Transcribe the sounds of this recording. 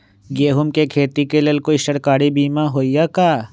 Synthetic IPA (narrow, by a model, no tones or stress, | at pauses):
ɡeːɦʊmkekʰeːt̪ikelelkoiʃəɽkaːɽibiːmãɦoːijaːkaː